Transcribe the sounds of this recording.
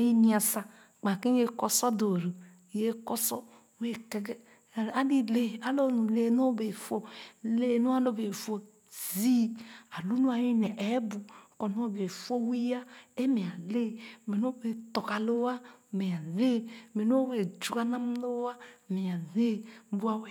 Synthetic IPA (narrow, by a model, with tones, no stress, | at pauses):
e˦ni˦a˨sa˨ | k͡pa˨ki˦e˦kɔ˦sɔ˦do˨ɾɨ˨ | je˦kɔ˦sɔ˦ | we˦kɛ˨ɡ | a˨li˦le˦˨a˦lo˦˨nu˨le˦no˦be˨fo˦le˦˨nu˦a˦lo˦be˨fo˦ | zi˦a˨lu˦nu˦a˨ji˦nɛ˨ʔe˨˦bu˨kɔ˨no˦o˦˨be˨fo˦wi˦ja˦e˦me˨a˨le˦me˨n˦o˦be˨tɔ˨ka˨lo˦a˦˨me˨a˨ne˦˨me˨n˦o˦we˨d͡ʒu˨ka˦na˦m˦lo˦a˦˨me˨a˨ne˦bu˦a˨we˦˨